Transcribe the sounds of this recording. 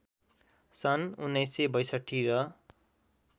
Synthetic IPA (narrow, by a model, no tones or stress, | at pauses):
sʌnunːʌjsebʌjsʌʈʰːiɾʌ